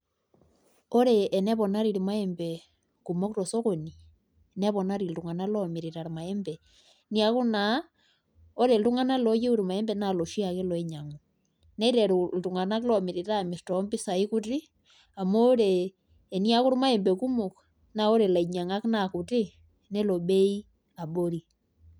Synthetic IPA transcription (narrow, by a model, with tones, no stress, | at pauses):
o˦ɾeː˨nɛ˦βɔ˨na˦ɾi˨ɾi˨ma˦e˦mbe˨ | ku˨mo˦kto˨so˦ko˨ni˨ | nɛ˦βɔ˨na˦ɾi˨ltu˨ŋa˨na˦lɔ˦mi˨ɾi˨ɾa˨ɾma˨e˦mbe˨ | ni˦a˦ku˦na˨ | o˦ɾe˨ltu˦ŋa˦na˦lo˦je˦u˦ɾi˨ma˨ɛ˦mbɛ˨na˨lo˨ʃi˦a˨ke˦lɔ˨i˦ɲa˨ŋo˨ | ne˦ɾe˨ɾultu˨ŋa˨na˦klo˨mi˨ɾi˨ta˦mi˨stɔ˨˦mbi˦sa˨i˦ku˦ti˦ | a˨moː˦ɾeː˨ | ni˦a˦ku˦ɾma˦e˨mbe˨ku˦mo˨k | na˨o˦ɾe˨la˨i˨ɲa˨ŋa˦knaku˨ti˦ | ne˦lo˨ɓe˦i˦ | a˨ɓo˦ɾi˨